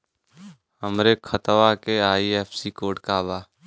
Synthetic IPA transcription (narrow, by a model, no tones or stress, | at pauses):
həmɾekʰət̪ʋakeaːiɛːpʰsikoːɖkaːbaː